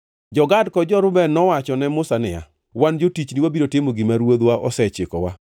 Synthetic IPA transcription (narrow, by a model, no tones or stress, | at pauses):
d͡ʒɔɡadkɔd͡ʒɔɾʊbɛnɔwat͡ʃɔnɛmʊsanɪja̰ | wand͡ʒotit͡ʃniwabiɾotemoɡɪmaɾwod̪waʔɔsɛt͡ʃɪkɔwa